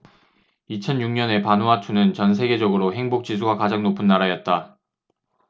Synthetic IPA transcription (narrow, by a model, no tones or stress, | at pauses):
it͡ɕʰʌnjuŋɲʌne̞panuɦatʰunɯnt͡ɕʌnsʰe̞ɡe̞d͡ʑʌɡɯɾoɦe̞ŋbok̚t͡ɕ͈isʰuɡakad͡ʑaŋnopʰɯnːaɾajʌt̚t͈a